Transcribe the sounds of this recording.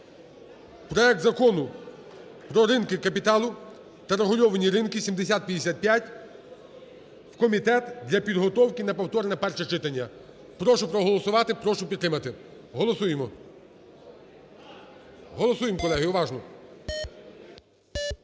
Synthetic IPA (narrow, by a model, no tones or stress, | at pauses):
pɾɔɛk̚t̪zɐkɔnʊ | pɾɔɾɪnkɪkɐpʲit̪ɑlˠʊ | t̪ɐɾeɦʊlʲɔʋɐnʲiɾɪnkɪsʲimd̪esʲat̪̚pʲjɐd̪ʲesʲat̪̚pʲjatʲ | wkɔmʲit̪ɛt̪d̪lʲɐpʲid̪ɦɔt̪ɔwkɪnɐpɐwt̪ɔɾnɛpɛrʃɛt͡ʃɪt̪ɐnʲːɐ | pɾɔʃʊpɾɔɦɔlˠɔsʊʋɑt̪ɪpɾɔʃʊpʲit̪ːɾɪmɐt̪ɪ | ɦɔlˠɔsujemɔ | ɦɔlˠɔsujemkɔlˠɛɦɪʊʋɑʒnɔ